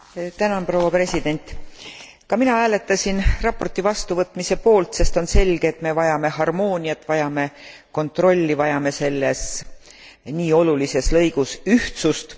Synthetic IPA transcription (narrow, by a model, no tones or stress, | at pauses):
t̪ænɑnpro̞wɑpre̞sʲid̪̥e̞nʲt̪ˑ | kɑminɑæːle̞t̪ːˑɑsʲinrɑpːˑo̞rt̪ːˑivɑst̪uvɤt̪ːˑmise̞po̞ːlt̪se̞st̪o̞nse̞lʲɡ̥eːt̪me̞vɑjɑme̞hɑrmo̞ːnʲijɑt̪ːˑvɑjɑme̞ | ko̞nt̪ro̞lʲːivɑjɑme̞se̞lːe̞s | niːo̞lulise̞slɤ̞jɡ̥usyht̪sust̪